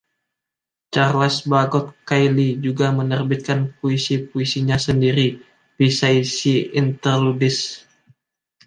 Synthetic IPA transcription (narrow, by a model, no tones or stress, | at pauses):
t͡ʃarlɛsbaɡɔt̪̚kajlid͡ʒuɡamənərbit̪̚kanpoisipuisiɲasəndiɾi | pisaisiint̪ərludɪs